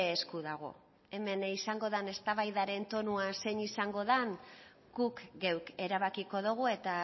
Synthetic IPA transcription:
skuðaɣ̞o̞̰ | e̞me̞nisaŋɡo̞ðane̞st̪aβajðaɾe̞nt̪o̞nuase̞ɲisaŋɡo̞ðaŋ | ɡ̥ukɡe̞wke̞ɾaβ̞akiko̞ð̞uɣ̞ue̞t̪a

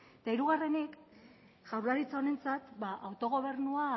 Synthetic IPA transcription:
et̪aiɾuɣ̞are̞nek | ʝawlaɾit͡saone̞nt͡sat̪baʔawt̪o̞ɣ̞o̞β̞e̞ɾnua

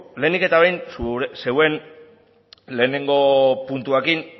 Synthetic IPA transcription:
le̞ːnike̞t̪aβejnsuse̞we̞n | le̞ːne̞ŋɡo̞punt̪uekin

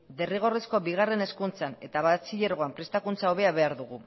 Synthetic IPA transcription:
d̪e̞riɣ̞o̞resko̞βiɣ̞are̞ne̞skunt͡sane̞t̪aβat͡siʎeɾɣo̞ampɾest̪akunt͡sao̞βe̞aβe̞aɾðuɣ̞u

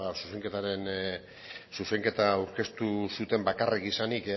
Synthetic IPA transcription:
asuse̞ŋke̞t̪aɾe̞n | suse̞ŋke̞t̪aawɾke̞st̪usut̪e̞mbakarekisanik

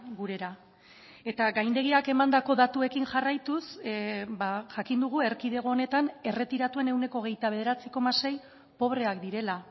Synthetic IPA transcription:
ɡuɾe̞ɾa | e̞t̪aɡajnd̪e̞ɣiake̞mand̪ako̞ðat̪ue̞kiŋʝarajt̪usbaʝakind̪uɣ̞ue̞ɾkiðe̞ɣ̞o̞ːne̞t̪ane̞re̞t̪iɾat̪ue̞ne̞wne̞ko̞ːɣ̞e̞jt̪aβe̞ð̞e̞ɾat͡siko̞mase̞j | po̞βɾe̞akd̪iɾe̞la

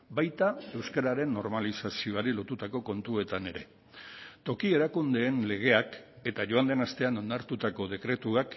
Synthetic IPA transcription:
bajt̪ae̞wskaɾaɾe̞nːo̞ɾmalisasio̞aɾilo̞t̪ut̪ako̞ko̞nt̪ue̞t̪ane̞ɾe̞ | t̪o̞kie̞ɾakund̪e̞ːnle̞ɣ̞e̞ake̞t̪aʝo̞and̪e̞nast̪e̞ano̞ndaɾt̪ut̪ako̞ðe̞kɾe̞t̪uak

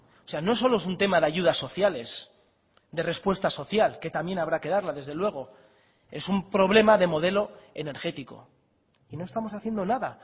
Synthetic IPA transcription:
ose̞ano̞es̬o̞lo̞e̞sunt̪e̞maðeaʝuð̞asːo̞θjale̞s | d̪e̞re̞spwe̞st̪aso̞θjalke̞t̪amje̞naβɾake̞ðaɾlaðe̞zðe̞lwe̞ɣ̞o̞ | e̞sumpɾo̞βle̞maðe̞mo̞ð̞e̞lo̞e̞̰ne̞ɾxe̞t̪iko̞̰ | ino̞e̞st̪amo̞saθje̞nd̪o̞naða

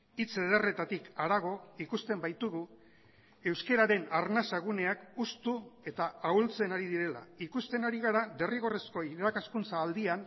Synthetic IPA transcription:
it͡se̞ðere̞t̪at̪ikaɾaɣ̞o̞ikust̪e̞mbajt̪uɣu | e̞wske̞ɾaɾe̞naɾnasaɣune̞akust̪ue̞t̪aawlt͡se̞naɾiðiɾe̞la̰ikust̪e̞naɾiɣaɾaðe̞riɣ̞o̞resko̞iɾakaskunt͡saːld̪ian

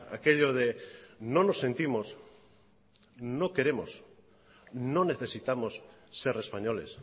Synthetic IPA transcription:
a̰keʎoðenonose̞nt̪imos | nokeɾemos | none̞θesit̪amosːeɾespaɲolḛs

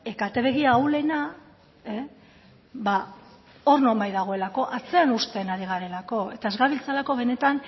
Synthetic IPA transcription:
e̞kat̪e̞βe̞ɣiaːwle̞na | e | βa | o̞ɾno̞mbajðaɣ̞o̞e̞lako̞ʔat͡se̞anust̪e̞naɾiɣ̞aɾe̞lako̞e̞t̪ae̞zɣaβilt͡salako̞β̞e̞ne̞t̪an

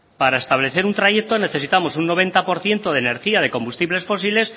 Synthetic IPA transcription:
paɾae̞st̪aβ̞le̞θe̞ɾunt̪ɾaʝe̞k̚t̪o̞ne̞θe̞sit̪amo̞sunːo̞β̞e̞nt̪apo̞ɾθje̞nt̪oð̞ene̞ɾxiað̞e̞ko̞mbust̪iβle̞sfo̞s̬ile̞s

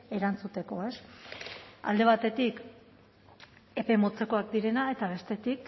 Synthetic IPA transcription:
e̞ɾant͡sut̪e̞ko̞e̞s | a̰ld̪e̞βat̪e̞t̪ik | e̞pe̞mo̞t͡se̞ko̞akd̪iɾe̞nae̞t̪aβ̞e̞st̪e̞t̪ik

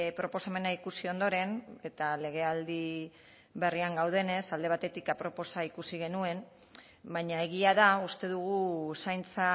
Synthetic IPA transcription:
pɾo̞po̞same̞naikusio̞nd̪o̞ɾe̞ne̞t̪ale̞ɣ̞e̞ald̪i | βe̞riaŋɡawð̞e̞ne̞sald̪e̞β̞at̪e̞t̪ikapɾo̞po̞saikusiɣ̞e̞nue̞n | baɲae̞ɣ̞iaðaust̪e̞ðuɣ̞usajnt͡sa

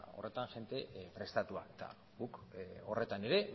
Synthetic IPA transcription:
o̞̰re̞t̪anʝe̞nt̪e̞pɾe̞st̪at̪uaet̪a̰ | ɣuko̞re̞t̪aneɾe̞

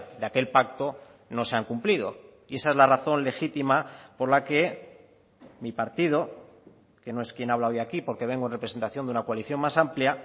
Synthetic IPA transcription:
d̪eake̞lpak̚t̪o̞ | no̞se̞aŋkumplið̞o̞ | ie̞sae̞zlaraθo̞nle̞xit̪imapo̞ɾlake̞ | mipaɾt̪ið̞o̞ | ke̞no̞e̞skje̞naβ̞lao̞jakipo̞ɾke̞β̞e̞ŋɡonrepɾese̞nt̪aθjo̞nd̪unakwaliθjo̞nmasamplja

